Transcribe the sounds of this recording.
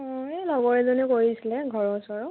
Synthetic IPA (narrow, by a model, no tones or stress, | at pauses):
ɔ̃elɔɡɔɹɛzɔnukoɹisilɛɡʱɔɹɔsɔɹɔ